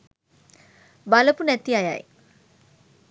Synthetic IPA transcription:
baləpunæt̪iaja̰j

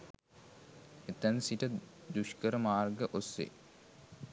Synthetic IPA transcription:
et̪ænsiʈə | d̪uʃkəɾəmaːrɡəʔosḛ

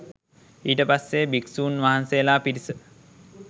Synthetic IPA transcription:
iːʈəpasːebiksuːnʋaɦansejəlaːpiɾisə

